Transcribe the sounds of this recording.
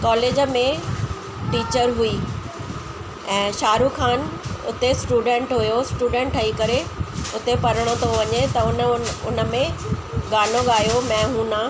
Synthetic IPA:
kɔːleːd͡ʑmẽ | ʈiːt͡ɕəɾɦʊi | ɛ̃ːʃaːɾukʰaːnʊ̰t̪esʈuːɖẽːɳʈɦʊjosʈuːɖẽːɳʈʰɐikɐɾeʊt̪epɐɾəɽ̃ot̪ʰoʋɐɲet̪ɐʊnʊ̰nə̆mẽ | ɠaːnoɠaːjomɛ̃ːɦũːnã

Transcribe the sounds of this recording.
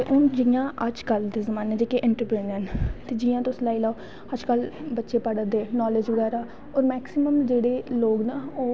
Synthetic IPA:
t̪eʔʊnd͡ʒɪjãːʔəd͡ʒkəld̪eːzəmaːneːd͡ʒeːkeʔɪɳʈəɾpɾiːnənt̪eːd͡ʒijãːt̪ʊslaːiːlaːoː | həd͡ʒkəlbətːʃeːpəɽəd̪eːnɔːleːd͡ʒʋəɡɛːɾaː | ɔːɾmɛːksɪməmd͡ʒeːɽeːloːɡnaːoː

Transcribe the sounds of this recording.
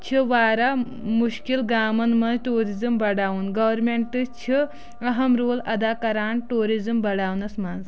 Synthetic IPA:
t͡ʃʰiʋaːɾa | muʃkilɡaːmɐnmɐnzʈuːɾizɐmbɐɽaːunɡɐʋɐɾmeɳʈʈɨst͡ʃʰi | ɐɦɐmɾoːlɐd̪aːkɐɾaːɳʈuːɾizɐmbɐɽaːwnɐsmanz

